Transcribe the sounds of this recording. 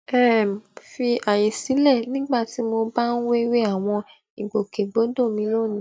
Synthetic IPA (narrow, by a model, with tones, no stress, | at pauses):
ɛ˦˨m˨fi˧a˨je˨si˨˦lɛ˦˨nĩ˦ɡ͡ba˦˨ti˨˦mo˧ba˦n̩˦we˦we˦a˦˨w̃ɔ̃˧ | i˨ɡ͡bo˨ke˨ɡ͡bo˨˦do˦˨mĩ˧˦lo˦˨nĩ˦